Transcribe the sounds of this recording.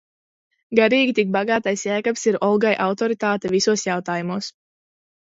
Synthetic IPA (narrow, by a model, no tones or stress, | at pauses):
ɡaɾiːɡʲit̪ik̚baɡaːt̪ajsjæːkapsiɾɔlˠɡajʔawt̪ɔɾit̪aːt̪ɛvisuɔsjawt̪aːjumuɔs